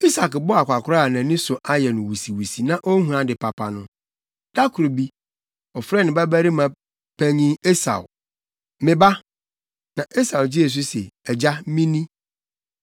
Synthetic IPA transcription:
i˦sa˨kbʊ˦a˨kʷa˨kʰʊ˦ɾa˦a˨nã˨nɪ̃˦sʊ˨ʔa˦jɛ˨nʊ̃˨wu˨si˨wu˨si˨nã˦ʔo˦hũ˦ã˨dɪ˨pʰa˨pʰa˨nʊ̃˦ | d̥a˦kʰʊ˨ɾo˨bi˦ | ɔ˨fɾɛ˦nɪ̃˨bæ˦bæ˦ɾi˦mã˨ | pʰæ˦ɲĩ˦e˦sa̰˨w | mɪ̃˨ba˦ | nã˨ʔe˦sa˨wd͡ʑɪ˦e˨s̬ʊ˦se˨ɛ˨d͡ʑa˦mĩ˦nĩ˦

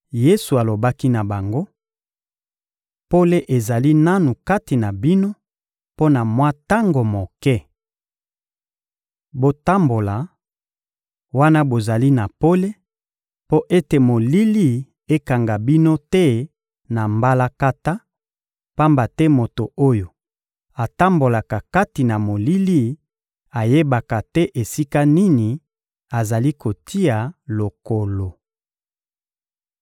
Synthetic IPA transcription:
je˦su˨a˨lo˨ba˦ki˦na˨ba˨ŋɡo˦ | po˦le˦ʔe˨za˨li˦na˦nu˨ka˦ti˨na˨bi˦no˦ | po˦na˨mwa˦ta˦ŋɡo˨mo˨kɛ˦ | bo˨ta˦mbo˨la˨ | wa˦na˦bo˨za˨li˦na˨po˦le˦ | po˦ʔe˦te˨mo˨li˦li˦˨ | e˦ka˨ŋɡa˨bi˦no˦tɛ˦ | na˨mba˦la˦ka˦ta˦ | pa˦mba˨tɛ˦mo˨to˨o˦jo˨ | a˨ta˦mbo˨la˨ka˨ka˦ti˨na˨mo˨li˦li˦ | a˨je˦ba˨ka˨tɛ˦ʔe˨si˦ka˦ni˦ni˨ | a˨za˨li˦ko˨ti˦a˨lo˨ko˨lo˨

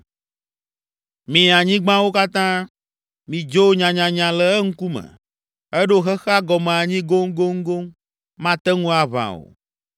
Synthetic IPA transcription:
mĩ˨a˨ɲĩ˦ɡ͡bã˦wo˦ka˦t̪ã˦ | mĩ˨d͡ʒo˦ɲã˨ɲã˨ɲã˨lɛ˨ɛ˦ŋ̩˦ku˦mɛ̰̃˨ | ɛ˦ɖo˦xɛ˦xa˦ɡɔ˨mɛ̃˨a˨ɲĩ˦ɡo˦ŋ˦ɡo˦ŋ̩˦ɡo˦ŋ | mã˦t̪ɛ˦ŋũ˦a˨βã̰˨o̰˨

